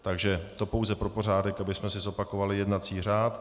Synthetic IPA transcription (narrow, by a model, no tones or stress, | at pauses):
t̪aɡʒɛt̪o̞po̞wzɛpɾo̞po̞raːdɛkabɪsmɛsɪzo̞pakovalɪjɛdnat͡siːr̝aːt̪